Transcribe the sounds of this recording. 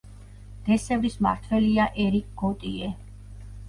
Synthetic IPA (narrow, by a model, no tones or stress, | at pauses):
d̪̥ɛsɛvɾisma̰ɾt̪ʰwɛliaʔɛɾikʼɡ̥ɔt̪ʼiɛ